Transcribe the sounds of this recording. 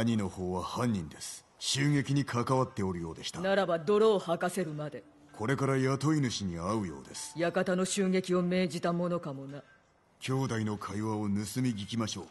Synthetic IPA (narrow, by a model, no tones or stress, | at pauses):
aɲino̞ho̞ːβahãɲ̟ːĩnd̪e̞sɨ̥ | ɕɨːŋe̞kʲiɲ̟ikʰakaβat̪ːe̞o̞ɾɯ̟jo̞ːd̪e̞ɕi̥t̪anaɾabad̪o̞ɾo̞ːhakase̞ɾɯ̟mad̪e̞ | kʰo̞ɾe̞kaɾajat̪o̞inɯ̟ɕiɲ̟iaɯ̟jo̞̰ːd̪e̞sɨ̥jakat̪ano̞ɕɨːŋe̞kʲio̞me̞ːʑit̪amo̞no̞kamo̞na | kʲo̞ːd̪aino̞kʰaiβao̞nɯsɨmʲiɡʲikʲimaɕo̞ː